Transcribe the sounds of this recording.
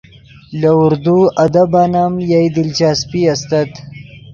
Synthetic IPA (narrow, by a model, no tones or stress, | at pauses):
lɐʊɾd̪uɐd̪ɐbanamjajd̪ɪlt͡ʃaːspiɐst̪ɐt̪